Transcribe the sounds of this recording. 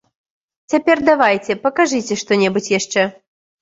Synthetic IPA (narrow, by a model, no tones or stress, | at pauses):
t͡sʲapʲɛrd̪avajt͡sʲɛpɐkaʐɨt͡sʲɛʂt̪ɔnʲɛbut͡sʲjaʂt͡ʂɛ